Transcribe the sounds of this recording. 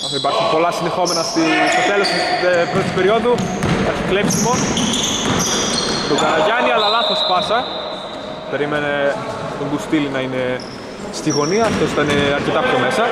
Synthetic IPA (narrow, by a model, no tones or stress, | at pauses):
ɐipɐɾçunpo̞lɐsind̪exo̞me̞nɐst̪ist̪o̞t̪e̞los | epɾot̪upe̞ɾio̞ðuɐɾçiklepsilimo̞n | t̪oɡɐlɐʝɐniɐlɐlɐθo̞spɐsɐ | pe̞ɾimenet̪oŋɡust̪ilinɐine̞ | st̪iɣo̞niɐːft̪o̞si̥t̪ɐineɐɾce̞t̪ɐpço̞me̞sɐ